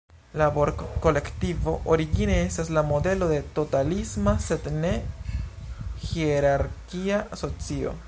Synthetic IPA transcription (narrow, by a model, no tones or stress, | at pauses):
laboɾko̞le̞ktivo̞ʔoɾiɡineestaslamo̞d̪e̞lo̞d̪e̞to̞talismase̞d̪ne̞ | xieɾaɾkiaʔso̞t͡sio̞̰